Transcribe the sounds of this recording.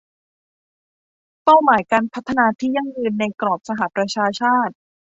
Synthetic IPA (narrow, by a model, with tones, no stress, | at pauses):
pa˥˩wmaː˨˩˦jkaː˧npʰa˦˥t̪ʰːa˧naː˧t̪ʰiː˥˩ja˥˩ŋjɯː˧nːa˧jkɾɔː˨˩p̚sa˧ɦa˨˩pɾa˧t͡ɕʰaː˧t͡ɕʰaː˥˩t̪̚